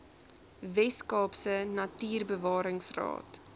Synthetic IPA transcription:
vɛskɑːpsənɐtiːrbəvɑːɾəŋsrɑ̰ːt

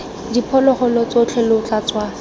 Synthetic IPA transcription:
dipʰɔlɔχɔlɔt͡sot͡ɬʰelʊʊt͡ɬat͡swa

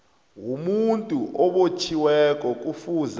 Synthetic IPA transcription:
wumuntʼuʔɔɓot͡ʃʰiwɛk̬ʼɔk̬ʼufuz

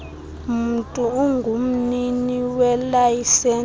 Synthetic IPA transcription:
m̩tʼuuŋɡʱum̩niniwɛlajisɛ

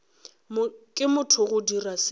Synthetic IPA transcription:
mkʼɪmʊtʰʊɣʊdiras

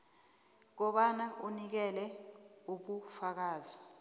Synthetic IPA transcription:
k̬ɔɓanaʔunik̬ɛlɛuɓufak̬aːzi

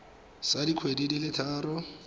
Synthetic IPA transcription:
sadikʰwedidilɪtʰaːɾɔ

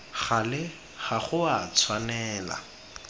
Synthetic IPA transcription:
χalɪ | χaχʊat͡sʰwanɛːla̰

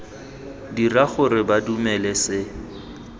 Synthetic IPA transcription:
diraχʊɾɪbadumɛlɛsɪ

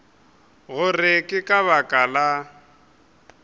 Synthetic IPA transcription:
ɣʊrɪkʼɪkʼaβakʼala

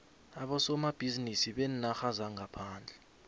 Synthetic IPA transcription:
aɓɔsɔmab̥ʱizinisiɓɛnnaxazaŋɡʱapʰaːnd͡ɮʱɛ

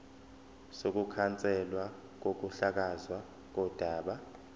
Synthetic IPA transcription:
sok̬ukʰant͡sʼɛlwa | k̬ok̬uɬak̬azwa | k̬ɔd̥ʱaːɓa

